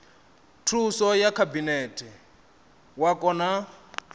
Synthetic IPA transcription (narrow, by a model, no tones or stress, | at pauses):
tʰusɔjakʰabinɛtʰʼɛ | wakʼɔna